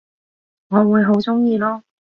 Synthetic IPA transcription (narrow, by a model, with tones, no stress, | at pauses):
ŋɔː˨˧wuː˨˧jɦo˨˥wt͡sʊ˥ŋjiː˧lɔː˥